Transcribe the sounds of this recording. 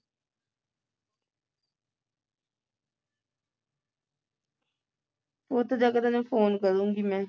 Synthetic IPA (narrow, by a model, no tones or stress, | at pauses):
ot̪ʰːed͡ʒaːkəd̪anẽfoːnkəɾũːŋɡiːmɛ̃ː